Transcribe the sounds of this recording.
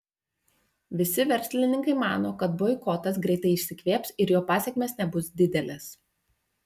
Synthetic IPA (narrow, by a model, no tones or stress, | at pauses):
ʋʲɪsʲɪʋʲɛɾʲsʲlʲɪnʲɪŋkɐɪmɑ̰ːnoːkɐt̪̚boːɪkɔt̪ɐs̬ɡɾʲɛɪt̪ɐɪɪʃʲsʲɪkʋʲeːpsɪɾjoːpɑːsʲɛkʲmʲeːsnʲɛbʊsd̪ʲɪd̪ʲɛlʲes